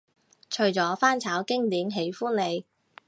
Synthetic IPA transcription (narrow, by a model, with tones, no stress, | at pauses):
t͡ʃʰɵ˨ɥt͡sɔː˨˥faː˥nt͡sʰaː˨˥wkɪ˥ŋt̪iː˨˥mɦe˨˥jfuː˥nle˨˧j